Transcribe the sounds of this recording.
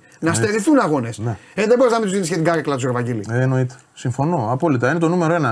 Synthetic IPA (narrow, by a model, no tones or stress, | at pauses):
nɐst̪eɾiθunɐɣo̞nesneeðebo̞ɾiznɐmind̪uzðinisçet̪iɡɐɾɐklɐt̪usoɾɐvɐɟilḭeeno̞it̪e̥siɱfo̞no̞ɐpo̞lit̪ɐine̞t̪o̞nume̞ɾoe̞nɐ